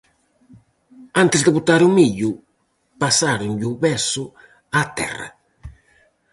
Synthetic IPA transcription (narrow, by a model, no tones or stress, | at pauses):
ant̪ɪsd̪ɪbut̪ːaɾumiʎːu | pasːaɾuɲʎuβɛsu | at̪ːɛ̰rːa̰